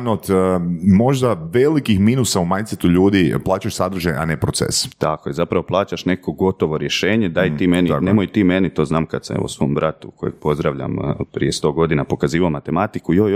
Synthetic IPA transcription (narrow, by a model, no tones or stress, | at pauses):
not̪mo̞ʒd̪aʋelikixminusaumajnt̪set̪uʎuːd̪iplˠaːt͡ɕaʃsad̪ɾ̩ʒaja̰nepɾot̪sḛst̪akojezapɾaʋo̞plˠaːt͡ɕaʃneko̞ɡo̞t̪o̞ʋo̞ɾje̞ʃeːɲed̪aːjt̪iːmeninemojt̪iːme̞nit̪o̞ːznaːmkad̪saḛosʋo̞mbɾʔat̪uko̞̰jeɡ̚po̞zd̪ɾaʋʎa̰mpɾḭje̞st̪o̞ːɡo̞d̪inapo̞kaziːʋaomat̪e̞mat̪ikujoj